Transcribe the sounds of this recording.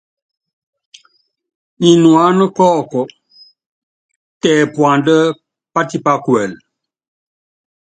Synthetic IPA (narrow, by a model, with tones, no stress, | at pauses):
ni˨nwa˨˦nə˦kɔ˦˨kɔ˨ | tɛ˨pwa˨ndə˦ | pa˦ti˦pa˦kwɛ˨l